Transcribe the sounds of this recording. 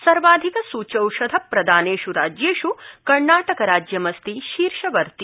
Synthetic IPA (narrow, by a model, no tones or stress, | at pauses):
sɐɾʋaːd̪ʱikɐsuːt͡ʃɐwʃɐd̪ʱɐpɾɐd̪ʱaːneːʃuɾaːd͡ʒjeːʃukɐɾɳaːʈɐkɐɾaːd͡ʒjɐmɐst̪iʃiːɾʃɐʋɐɾt̪i